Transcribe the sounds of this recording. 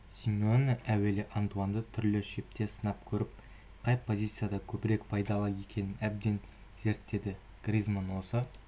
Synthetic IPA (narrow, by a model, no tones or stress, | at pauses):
sʲimʲeonʔæwe̞lɪʔand̪uand̪ət̪ʰʏɾlɪʃe̞p̚t̪e̞sənɑp̚kʲʰɵɾɪp̚ | qʰɑjpʰo̞zʲit̪sɨjad̪ɑkʲʰɵbɪɾe̞kpʰɑjd̪ɑlˠəe̞kʲe̞nɪnæb̚d̪e̞n | ze̞ɾt̪ːe̞d̪ɪ | ɡ̥rʲizmonwo̞sə